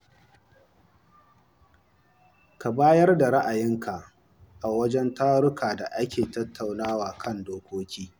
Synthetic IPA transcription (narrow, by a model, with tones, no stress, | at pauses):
ka˨baː˦jɐ˦rda˨ɾa˦ʔa˨jɪ˦ŋkʰa˨ʔ | ʔa˨wɐ˦d͡ʒɛ˦ntaː˦ɾʊ˦kʰaː˨da˨ʔa˦kʲeː˨tɐ˦tʰːa˨wnaː˦waː˨kʰɐ˦ndoː˦kʷoː˦kʲʰiː˦